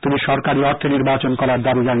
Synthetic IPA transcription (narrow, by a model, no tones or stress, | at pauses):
t̪umiʃɔɾkaɾiɔɾt̪ʰiniɾbat͡ɕonkɔlaɾd̪abid͡ʑan